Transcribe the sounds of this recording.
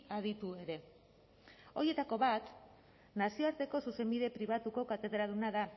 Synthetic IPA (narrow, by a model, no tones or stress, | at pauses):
aðit̪ue̞ɾe̞ | o̞ɾje̞t̪ako̞βat̪ | nasio̞aɾt̪e̞ko̞suse̞mbiðe̞pɾiβat̪uko̞kat̪e̞ðɾaðunaða